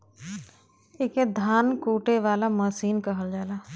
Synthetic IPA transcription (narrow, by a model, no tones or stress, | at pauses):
ɪked̪ʱaːnkuːʈeʋaːlamɐsiːnkəɦəld͡ʒaːlaː